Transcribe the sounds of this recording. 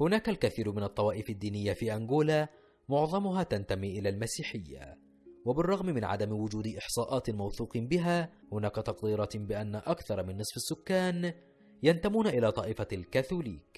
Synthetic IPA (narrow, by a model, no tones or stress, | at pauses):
hʊnaːkalkaθiːɾmɪnɑt̪ˤːɑwɑːʔɪfad̪ːiːnɪjːafiːʔaŋɡuːlaː | mʊʕðˤɑmʊɦaːt̪ant̪amiːʔɪlaːlmasiːħɪjːa̰ | wabɪrˤːɑɣmɪmɪnʕa̰d̪amwʊd͡ʒuːd̪ʔɪħsˤɑːʔɑːt̪mawθuːqɨbɪɦaː | hʊnaːkat̪ɑqd̪iːɾˤɑːt̪bɪʔanːaʔakθɑɾˤmɪnːɨsˤfasːʊkːaːn | jant̪amuːnaʔɪlaːt̪ˤɑːʔɪfalkaθuːlḭːk